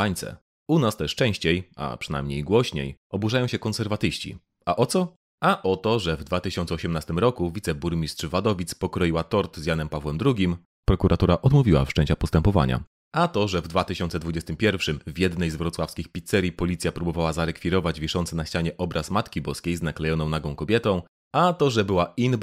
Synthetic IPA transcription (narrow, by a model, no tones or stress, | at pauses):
aɲt̪sɛ̰ | unast̪ɛʂt͡ʂɛ̃w̃ɕt͡ɕeja̰pʂɨna̰jmɲejɡwɔɕɲḛjɔbuʐajɔ̃ɕɛkɔ̃nsɛɾvat̪ɘɕt͡ɕḭ | aʔɔt̪sɔ | aʔɔt̪ɔʐɛvd̪vat̪ɘɕɔnt̪sɛɔɕɛmnast̪ɘmɾɔkuvʲit̪sɛbuɾmʲistʂvad̪ɔvʲit̪spɔkɾɔjiwat̪ɔɾt̪zʲjanɛmpavwɛmd̪ɾuɡʲim | pɾɔkuɾʔat̪uɾaʔɔd̪muvʲiwa̰fʂt͡ʂɛɲ̃t͡ɕapɔst̪ɛmpɔva̰ɲa̰ | at̪ɔʐɛvd̪vat̪ɘɕɔnt̪sɛd̪vud͡ʑɛst̪ɘmpʲjɛɾfʂɘmvʲjɛd̪nɛjzvɾɔt̪swafskʲixpʲit̪sɛɾʲipɔlʲit̪sʲjapɾubɔvawazaɾɛkfʲiɾɔvad͡ʑvʲiʂɔnt̪sɛnaɕt͡ɕaɲɛʔɔbɾʔasmat̪kʲibɔskʲejznaklɛjɔnɔ̃w̃naɡɔ̃w̃kɔbʲjɛt̪ɔ̃w̃ | at̪ɔʐɛbɘwain